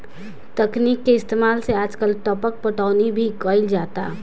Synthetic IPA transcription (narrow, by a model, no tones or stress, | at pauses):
t̪əkniːkːeɪst̪eːmaːlseaːd͡ʒkəlʈ̪ɔpək̚pəʈaːʊnibʱikəɪld͡ʒaːt̪a